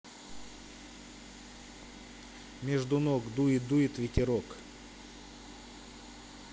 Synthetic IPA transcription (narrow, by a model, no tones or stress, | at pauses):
mʲeʐd̪ʊnoɡd̪uɪd̪ujɪt̪vʲɪtʲɪɾok